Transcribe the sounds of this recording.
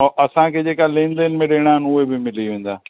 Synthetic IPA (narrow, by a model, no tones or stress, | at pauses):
ʔɐsãkʰeːd͡ʑeːkalẽːnd̪ənmẽɗeːɪɽ̃aːɦɪnʊɦebɪmɪliʋẽːn̆d̪aː